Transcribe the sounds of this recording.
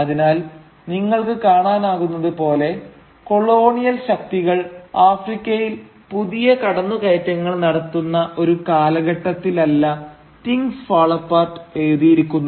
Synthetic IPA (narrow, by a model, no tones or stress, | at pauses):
ɐðinaːl | niŋːɐɭkɨkaːɳaːnaːɣunːɐðɨpo̞ːle̞ | ko̞ɭo̞ːɳijɐlɕɐk̚t̪iɣɐɭaːfrikʲːɐjil | puðijɐkɐɽɐnːukeːtːɐŋːɐɭnɐɽɐt̪ːunːɐʔo̞ɾukaːlɐɣɐʈːɐt̪ːilɐlːɐ | t̪iŋɡfaːɭɐpːaːrʈeːðijiɾikʲːunːu